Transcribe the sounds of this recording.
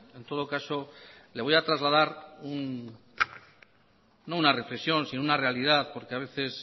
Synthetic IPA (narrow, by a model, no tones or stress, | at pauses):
e̞nt̪o̞ð̞okasole̞βojat̪ɾazlað̞aɾun | no̞unare̞flesjo̞nsinounare̞alið̞aðpo̞ɾkeaβ̞e̞θe̞s